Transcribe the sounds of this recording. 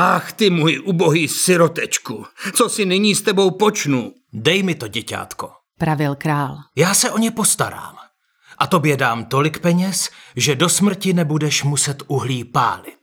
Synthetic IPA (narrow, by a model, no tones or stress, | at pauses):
ʔaxt̪ɪmujʔuːboɦiːsɪɾot̪ɛt͡ʃkut͡sosɪnɪɲiːst̪ɛbo̞wpot͡ʃnu | dɛjmɪt̪o̞ɟɛca̰ːt̪ko | pɾavɪlkɾaːljaːsɛʔo̞ɲɛpo̞st̪aɾa̰ːm | ʔat̪o̞bjɛdaːmt̪o̞lɪkpɛɲɛsʒɛdo̞smr̩cɪnɛbudɛʃmusɛt̪ʔuɦliːpa̰ːlɪ